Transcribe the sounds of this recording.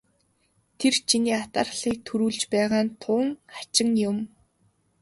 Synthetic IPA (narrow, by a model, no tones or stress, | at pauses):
t̪ʰert͡ɕʰiniːat̪a̰ːr̆ɮiːk̚t̪ʰɵɾuːɮt͡ɕpæːʁaːnt̪ʰʊːŋḁt͡ɕɪ̆ŋjʊm